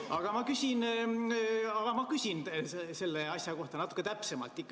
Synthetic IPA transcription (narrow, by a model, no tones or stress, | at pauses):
ɑɡ̥ɑmɑkysʲin | ɑɡ̥ɑmɑkysʲinse̞lːeɑsʲjɑko̞ht̪ɑnɑt̪ːˑu̥kːˑe̞t̪æpse̞mɑ̰lt̪ˑːikːˑ